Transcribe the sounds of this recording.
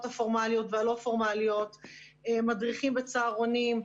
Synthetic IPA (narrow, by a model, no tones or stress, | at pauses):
tafo̞ʁmalijo̞tvealo̞afo̞ʁmalijo̞temadʁiχimbet͡saːʁonim